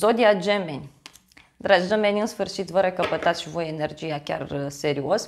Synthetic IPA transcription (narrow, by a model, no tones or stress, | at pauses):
o̞d̪iad͡ʒe̞me̞nʲ | d̪ɾad͡ʒd̪o̞me̞nʲɨnsfɨrʃit̪vəɾekəpət̪at̪sʃivo̞jene̞rd͡ʒijakʲa̰rse̞ɾio̞s